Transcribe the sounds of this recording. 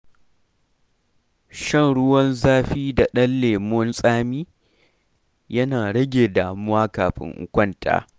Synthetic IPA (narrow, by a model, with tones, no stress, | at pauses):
ʃɐ˦˨nɽʊ˦wɐ˦nzaː˦ɸiː˦da˨ɗɐ˦nlːeː˨mʊ˦nsʼaː˦miː˦ | jɐ˦naː˨ɽɐ˦ɡʲeː˨daː˨mʊ˦waː˦kaː˨ɸɪ̰˦ŋʔʊ̰˦kʷɐ˦˨nta̰ː˨